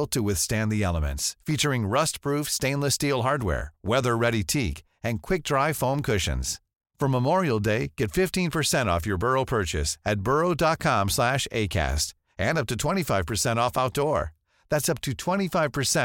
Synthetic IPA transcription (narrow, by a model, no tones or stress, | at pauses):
l̩ˠtʰəwɪθstæ̃nðiɛlˠəmɨ̰̃ntsfit͡ʃə˞ɪ̃ŋɹʌst̚pʰɹ̥ufstẽɪ̃nləstilˠɦɑɹd̚wɛ̰ɹwɛðə˞ɹɛɾitʰik | ɨ̃nkʰw̥ɪk̚d̥ɹaɪfõʊ̃mkʰʊʃɨ̰̃nz̥ | fʌ̃məmɔɹil̩ˠdeɪɡ̥ɛtfɪftĩnpʰə˞sɛ̃ɾ̃ɔ̰fjə˞bɜ˞oʊpʰɜ˞t͡ʃɨ̰sɨt̚b̥ɜ˞oʊdɑt̚kʰɑ̃mslæʃḛɪkʰæ̰st | ʔɨ̃nʌp̚tɨtʰw̥ɛ̃ɾ̃ifaɪv̥pʰə˞sɛ̃ɾ̃ɔfaʊt̚d̥ɔɹ | ðætsʌp̚tʰɨtʰw̥ɛ̃ɾ̃ifaɪv̥pʰə˞sɛ̃